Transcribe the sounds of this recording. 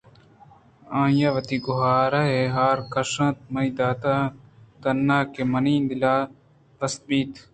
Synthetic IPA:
ãːjaːʋɐt̪iɡʊɦaːɾɐɦeɦaːɾkɐʂɐ̃ːt̪̚mɐid̪aːt̪aːt̪ɐnːaːkemɐnĩːnd̪ilaː | bɐs̚biːt̪

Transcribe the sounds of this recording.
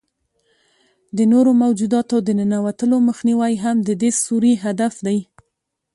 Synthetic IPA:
d̪ənoɾomawd͡ʒud̪ɑt̪od̪ənənawat̪əloməxniwajɦamd̪əd̪esuɾiɦad̪afd̪aj

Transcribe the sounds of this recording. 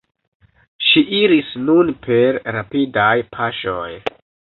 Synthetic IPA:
ʃiʔiɾisnunpʰe̞ɾːapidajpʰaʃoj

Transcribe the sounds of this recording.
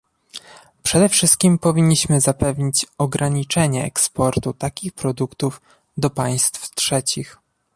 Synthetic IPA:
pʂɛd̪ɛfʂɘst̪̚kʲimpɔvʲiɲːiɕmɘzapɛvɲit͡ɕɔɡɾʔaɲit͡ʂɛɲɛɛ̰kspɔɾt̪ut̪akʲixpɾɔd̪ukt̪uf | d̪ɔpaj̃st̪ftʂɛt͡ɕix

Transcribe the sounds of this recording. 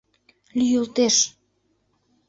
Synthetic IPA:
lyjult̪eʃ

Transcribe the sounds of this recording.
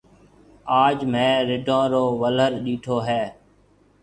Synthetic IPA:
aːd͡ʒmẽːɾɪɖʱõːɾoːʋələɾɗiːʈʰoːɦeː

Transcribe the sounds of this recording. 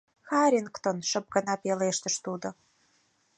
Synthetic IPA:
xɑɾʲinkt̪onʃə̆p̚ɡə̆nɑpeleʃt̪ə̆ʃt̪ud̪ŏ

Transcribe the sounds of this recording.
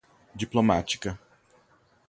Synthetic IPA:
d͡ʒiplomat͡ʃi̥kɐ

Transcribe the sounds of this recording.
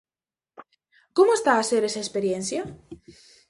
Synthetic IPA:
komoest̪aːse̞ɾesaespe̞ɾje̞nθja

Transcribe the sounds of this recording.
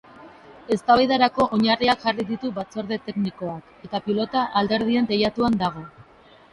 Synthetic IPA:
e̞st̪aβajðaɾako̞ʔoɲariakʝariðit̪uβat͡so̞ɾðe̞t̪e̞kniko̞ake̞t̪apilo̞t̪aʔald̪e̞ɾð̞ie̞nt̪e̞jat̪uand̪aɣ̞o̞

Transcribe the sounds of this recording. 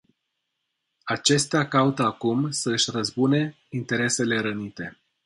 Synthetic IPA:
at͡ʃe̞st̪eakaut̪əakumsəɨʃʲrəzbune̞ | int̪e̞ɾe̞se̞le̞ɾənit̪e̞

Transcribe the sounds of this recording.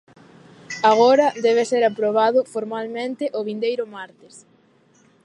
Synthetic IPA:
aɣ̞oɾɐd̪ɛβ̞eseɾapɾoβaðʊfoɾmalmẽnt̪ɪʔoβind̪ejɾʊmaɾt̪ɪs

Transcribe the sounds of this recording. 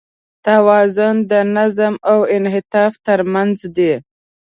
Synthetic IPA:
t̪awɑzʊnd̪ənazəmawɪnɦɪt̪ɑft̪əɾmanzd̪e

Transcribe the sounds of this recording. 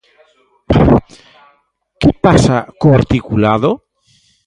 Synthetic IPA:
kepasakoaɾt̪ikulaðo

